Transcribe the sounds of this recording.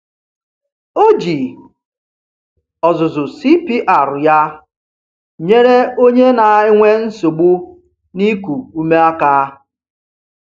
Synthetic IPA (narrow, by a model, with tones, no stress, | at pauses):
o˦d͡ʒi˨ | ɔ˨zʊ˨zʊ˨si˦pi˦ʔa˨ɾʊ˨ja˦ | ɲe˦ɾe˦o˦ɲe˦na˨˦˨ɪ˦ŋʷe˦n̩˦so˨ɡ͡bu˦ | ni˦ku˨u˦me˦a˦kaː˦